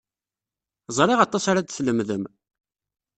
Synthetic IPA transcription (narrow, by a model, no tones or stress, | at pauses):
zˤɾˤɪʁɑt̪ˤːɑsaɾad̪θləmðəm